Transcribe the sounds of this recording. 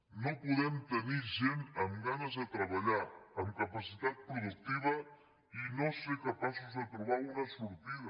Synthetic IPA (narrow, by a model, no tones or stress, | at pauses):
nopuðɛmt̪əniʒenəmɡanəzðət̪ɾəβaʎaːmkapasit̪at̪̚pɾuðuk̚t̪iβ̞ɐ | inoseɾkapasuzðət̪ɾuβaɾunɐsuɾt̪iðɐ